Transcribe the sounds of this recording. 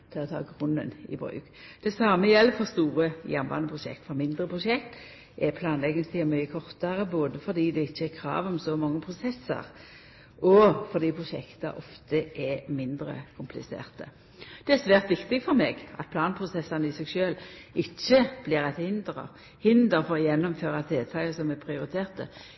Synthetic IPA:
t̪ʰɪlɔt̪ʰɑ̰ːɡʁʊnːə̰nɪ̰bɾʉ̰ːkd̪̥ɛsɑməjɛlːfɔʁst̪uːʁəjɛnʋɑ̰nəpʰʁʊʃɛ̰kt̪fɔʁmɪnd̪ʁəpʰʁʊʃɛkt̪ | ʔɛpʰlɑːnlɛɡənst̪ʰɪmyːəkʰɔʁt̪ɑʁəboːd̪əfɔʁd̪iːd̪ɛɪt͡ʃːəɛkʰɾɑ̰ːʋɔmsɔmɔŋːəpʰʁʊsɛsːə̰ʁ | ɔfɔʁd̪iːpʰʁʊʃɛ̰kt̪ɑ̰ʔɔft̪əʔɛmɪnd̪ɾə̰kʰʊmpʰlɪ̰sḛːʁt̪ə | d̪̥ɛæsʋæːʁt̪ʋɪkt̪ɪɡfɔɾmeːɡʔɑ̰t̪̚pʰlɑːnpʰʁʊsɛsːɑnəɪsɛɡʃøːlɪt͡ʃːəb̥liːʁɛt̪hɪnd̪ʁə̰ | hɪnd̪əfɔʁjɛnːɔmføːʁɑt̪d̪eːt̪ʰɑɪəsɔmɛpʰʁɪʊɾɪt̪ʰeːʁt̪ə

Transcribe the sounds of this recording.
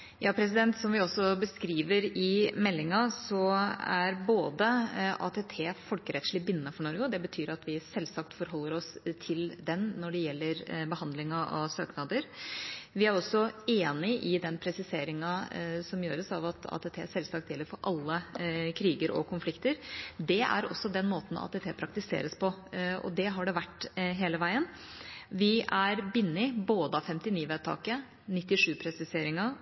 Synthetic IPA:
jɑːpʰɾɛs̬ɪd̪ɛnt̪sɔmʋɪɔsɔbəskɾiːʋəɾɪmɛlːɪŋɑsɔæɾboːd̪əɑ̰ːt̪ʰɛt̪ʰeːfɔlkəɾɛt̪ʂɭɪbɪnːəfɔɳɔɾɡəd̪ɛbət̪ʰyːɾɑt̪ʰʋɪsɛlsɑkt̪fɔɾɦɔlːəɾɔst̪ʰɪld̪ɛnnɔɖɛjɛlːəɾbəhɑnd̪lɪŋɑʔɑ̰søːknɑd̪əɾʋɪæɾɔsːɔeːnɪʔɪd̪ɛnpʰɾɛsɪseːɾɪŋɑsɔmjøːɾəsɑʋɑt̪ɑ̰t̪ʰːɛːt̪ʰeːæsɛlslɑkt̪jɛlːəɾfɔɾʔɑlːəkʰɾiːɡəɾɔ̰kʰʊnflɪkt̪əɾd̪ɛæ̰ɾɔ̰sːɔd̪ɛnmoːt̪n̩ɑ̰t̪ʰːɛːt̪ʰeːpʰɾɑk̚t̪ɪsḛːɾəspʰɔɔ̰d̪ɛɦɑɖɛʋæʈːɦeːləʋæɪən | ʋɪæɾbɪnːɪboːd̪əɑfɛmt̪ɪniːʋɛːd̪̚t̪ʰɑ̰ːkə | nɪt̪ːɪʂʉːpʰɾɛsɪseːɾɪŋə

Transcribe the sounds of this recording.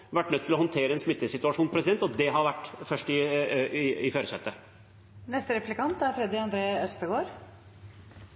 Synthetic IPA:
ʋæʈːnœt̪ːɪlɔhɔnt̪ʰeːɾəɛnsmɪt̪ːəsɪt̪ʉɑʂuːnpʰɾɛsɪd̪ɛnt̪ɔd̪ɛɦɑɾʋæʈːfœʂʈɪ | ɪføːɾəsœ̰t̪ːə | nɛst̪əɾɛplɪkɑnt̪æɾfɾɛd̪ɪɑnd̪ɾeːœfst̪əɡoːɾ

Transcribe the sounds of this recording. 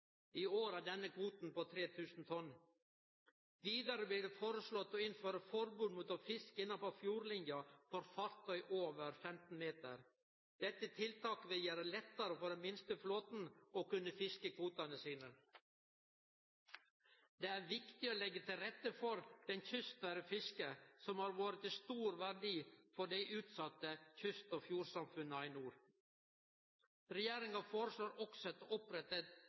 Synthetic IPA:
ioːɾɑd̪ɛnːəkʰʋuːt̪n̩poːt̪ʰɾeːt̪ʰʉːsn̩t̪ʰɔn | ʋiːd̪ɑɾəbliːɖɛfoːɾəsɭɔt̪ːɔɪnføːɾəfɔɾbuːd̪muːt̪ɔfɪskɪnːɑpɔfjuːɾlɪnjɑfɔɾfɑɾt̪œʏʔoːʋəɾfɛmt̪n̩meːt̪ə̰ɾ | d̪̥ɛt̪ːət̪ʰɪlt̪ʰɑːkʋɪjəɾəlɛt̪ːɑɾəfɔɖɛnmɪnst̪əfloːt̪n̩ɔkʉnːəfɪskəkʰʋuːt̪ɑnəsiːnə | d̪eːæɾʋɪkt̪ɪoːlɛɡːət̪ʰɪlɾɛt̪ːəfɔɾd̪̥ɛnçʏst̪əɾəfɪskəsɔmhɑːɾʋɑːɾət̪ɪst̪uːɾʋæɾɖiːfɔɖæɪʔʉːt̪sɑt̪ːəçʏst̪oːfjuːɾsɑmfʉnːəɑɪnuːɾ | ɾɛjeːɾɪŋɑfoːɾəʂɭoːɾɔksɔɛt̪ːəɔpɾɛt̪ːət̪

